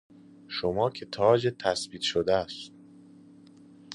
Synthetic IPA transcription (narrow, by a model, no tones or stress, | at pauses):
ʃomɒːcʰe̞t̪ʰɒːd͡ʒet̪ʰæsbiːt̪ʃod̪ææst̪